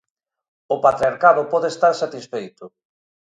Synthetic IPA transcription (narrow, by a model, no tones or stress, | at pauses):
ʊpat̪ɾiaɾkaðʊpɔðest̪aɾsat̪isfejt̪ʊ